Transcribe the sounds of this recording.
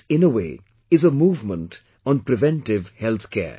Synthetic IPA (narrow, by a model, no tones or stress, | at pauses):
ɪ̃nəweː | ɪzəmuːvmə̃nt | ɔ̃n̩pɾɨvɛ̃ntɪvhɛlˠθkʰɛ̰ː